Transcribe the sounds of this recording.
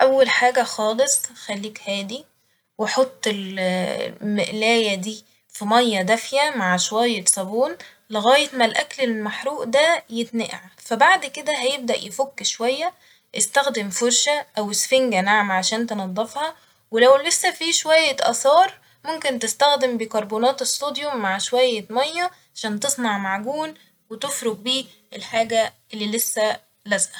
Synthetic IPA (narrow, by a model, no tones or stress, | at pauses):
ʔæwːælħaːɡæxɑːlesˤxælːiːkhæːd̪i | weħot̪ˤːel | meʔlæːjæd̪iː | fimɑjːɑd̪æfjæmaʕʃowæjːesˤɑbuːn | leɣæːjet̪mælʔæklelmaħɾuːʔd̪æjet̪neʔʕfæbaʕd̪ked̪æɦæjeb̚d̪æʔjefokːʃowæjːæ | ʔest̪æxd̪emfoɾˤʃæʔæwesfeŋɡænaʕmʕaʃæːnt̪enɑd̪ˤːefhɑ | welæwlesːæfiːʃowæjːæʔɑsɑːɾˤ | momkent̪est̪æxd̪embikɑɾˤboːnɑːt̪esˤt̪ːoːd̪jomːaʕʃowæjːæmɑjːɑʕaʃæːnt̪esˤnɑʕmaʕɡuːn | wet̪efɾoɡ̚biː | elħaːɡæʔelːiːlesːæ | læzʔæ